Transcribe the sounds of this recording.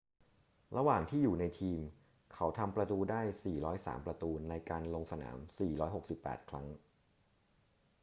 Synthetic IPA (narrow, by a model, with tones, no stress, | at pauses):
ɾa˧waː˨˩ŋt̪ʰiː˥˩juː˨˩na˧jt̪ʰiː˧m | kʰa˦˥wt̪ʰa˧mpɾa˧t̪uː˧daː˥˩jsiː˨˩ɾɔː˦˥jsa̰ː˩˦mpɾa˧t̪uː˧na˧jkaː˧nlo˧ŋsa˧na̰ː˩˦msiː˨˩ɾɔː˦˥jɦo˨˩k̚si˨˩pːɛ̰ː˨˩t̪̚kʰɾa˦˥ŋ